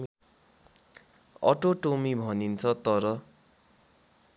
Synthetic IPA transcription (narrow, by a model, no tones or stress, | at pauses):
ʌ̰ʈoʈomibʱʌnint͡sʰʌt̪ʌɾʌ